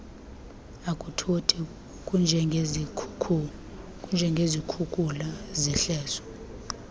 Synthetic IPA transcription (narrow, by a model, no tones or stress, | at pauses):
akʼutʰotʰi | kʼund͡ʒʱɛ | kʼund͡ʒʱɛŋɡʱezikʰukʼulazɛɬɛːsɔ̥